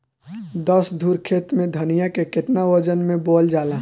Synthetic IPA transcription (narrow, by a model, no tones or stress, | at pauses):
d̪əsd̪ʱuːɾkʰeːt̪mẽd̪ʱənijakekɪt̪naʋəd͡ʒənmẽboːld͡ʒaːla